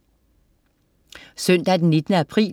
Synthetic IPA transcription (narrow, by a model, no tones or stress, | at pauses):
sœn̰d̪̥ɑd̪n̩nɪt̪ənəæpʰʁḭː